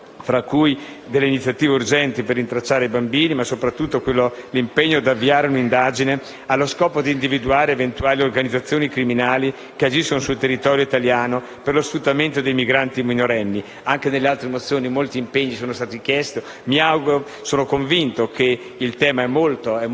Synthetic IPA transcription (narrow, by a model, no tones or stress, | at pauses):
fɾakːuj | d̪elːeinit̪sːjat̪iːveurd͡ʒɛnt̪iperːint̪ɾat͡ʃːaːɾeibambiːnimasopɾat̪ːut̪ːokwelːolimpeɲːod̪avːiaːɾeunind̪aːd͡ʒine | alːoskɔːpod̪iːnd̪ivid̪uaːɾeevent̪uaːliorɡanid̪zat̪sːjoːnikɾiminaːli | kead͡ʒiskonosult̪erːit̪ɔːɾjoit̪aljaːno | perlosfut̪ːament̪od̪ejmiɡɾant̪iminoɾɛnːi | aŋk̟enelːealt̪ɾemot̪sːjoːnimolt̪iːmpeɲːisoːnost̪aːt̪ikjɛst̪o | miawɡuɾo | soːnokoɱvint̪okʰe | ilt̪ɛːmaɛmːolt̪oɛ